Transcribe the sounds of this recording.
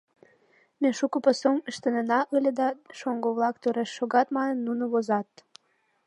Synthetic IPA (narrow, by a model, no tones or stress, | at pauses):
meʃukə̆pəsoməʃt̪ənənɑʔəlʲed̪ɑʃoŋɡoβlɑkt̪øɾeʃːoɣɑt̪mɑnə̆nːunəβozɑt̪̚